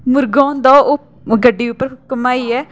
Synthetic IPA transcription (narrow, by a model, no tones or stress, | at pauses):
mʊɾɡãːnd̪aːʔʊ | ɡəɖːiːʊpːəɾkəmaːiːɛː